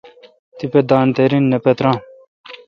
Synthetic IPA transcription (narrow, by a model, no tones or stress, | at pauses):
t̪iped̪ãːnt̪eɾinːepɛt̪ɾãː